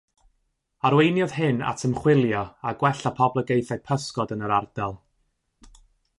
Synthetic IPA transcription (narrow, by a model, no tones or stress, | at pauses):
aɾwejnjɔð̥ɦɨna̰tʰəmχwɪlˠjɔaɡwɛɬapʰɔblˠəɡejθad̥̚pʰəskɔdənəɾard̥ɛlˠ